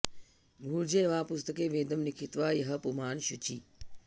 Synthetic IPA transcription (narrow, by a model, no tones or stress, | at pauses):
bʱuːɾd͡ʑeːʋãːpʊst̪əkeːʋẽːd̪əmnɪkʰit̪ʋaːjɐɦɐpumaːnʃut͡ɕʰiː